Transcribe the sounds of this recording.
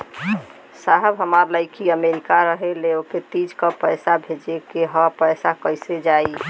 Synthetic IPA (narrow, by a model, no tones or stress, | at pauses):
saɦəbɦəmaɾləɪkiəmeɾikaɾəɦeleoket̪id͡ʒkəpəjsabʱed͡ʒekeɦəpəjsakəjsed͡ʒaj